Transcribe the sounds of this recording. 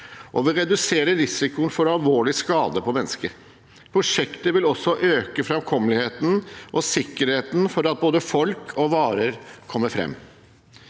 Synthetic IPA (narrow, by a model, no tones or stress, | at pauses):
ʔɔʋɪɾɛd̪ʉseːɾəɾɪsɪkʊnfɔɾɑlʋoːɭɪskɑːd̪əpʰɔmɛnːəskəɾ | pʰɾʊʂɛkt̪əʋɪlɔsɔʔøːkəfɾɑmkʰɔmːəlɪheːt̪n̩ʔɔsɪkːəɾheːt̪n̩fɔɾɑt̪̚boːd̪əfɔlkʰɔʋɑːɾəɾkʰɔmːəɾfɾɛ̰mː